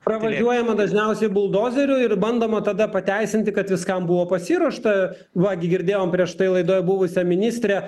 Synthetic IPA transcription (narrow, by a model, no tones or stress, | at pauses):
pɾɐʋɐʒʲuɔjɛmɐd̪ɐʒʲnʲɛʊsʲɛɪbʊlˠd̪oːzʲɛɾʲʊɪrbɐnd̪oːmɐt̪ɐd̪ɐpɐt̪ʲæɪsʲɪnʲt̪ʲɪkɐt̪ʋʲɪskɐmbuʋoːpɐsʲiːɾuɔʃt̪ɐ | ʋɐɡʲɪɡʲɪɾʲd̪ʲeːjoːmpʲɾʲiɛʃt̪ɐɪlˠɐɪd̪oːjbʊʋʊsʲɛmʲɪnʲiːsʲt̪ʲɾʲɛ